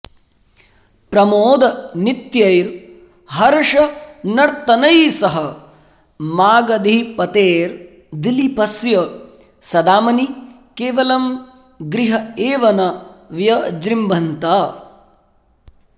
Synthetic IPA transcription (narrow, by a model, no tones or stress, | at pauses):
pɾɐmoːd̪ɐnit̪jɐjɾ | ɦɐɾɐʂɐnɐɽt̪ɐnɐjsɐɦɐ | maːɡɐd̪ʱipɐt̪eːɾ | d̪ilipɐsjɐ | sɐd̪aːmɐni | keːʋɐlɐm | ɡɾiɦɐeːʋɐnɐʋjɐd͡ʒɾimbʱɐnt̪ɐ